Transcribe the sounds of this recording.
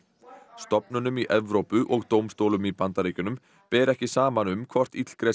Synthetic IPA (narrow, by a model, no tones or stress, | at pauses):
st̪ɔpnʏnʏmiʔɛvɾowpʏʔɔɣt̪owmst̪owlʏmipant̪aɾiːcʏnʏm | pɛːɾɛhcɪsaːmanʏmkʰvɔr̥t̪it̪l̥kɾe